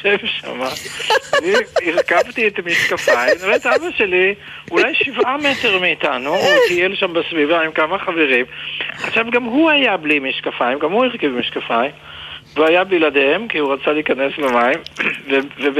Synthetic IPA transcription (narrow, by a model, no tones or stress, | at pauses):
ʃemʃa̰maaniːʁkavt̪iet̪miʃkafaimniʁoet̪aabaʃe̞li | ulajʃivʔame̞teʁmiːtanuotielʃambesvivaimkamaχaveʁimaχʃavɡamɦuajablimiʃkafajimɡamhuiʁkivmiʃkafaim | veajabiladhemkihuʁat͡saliːkane̞slemaimveve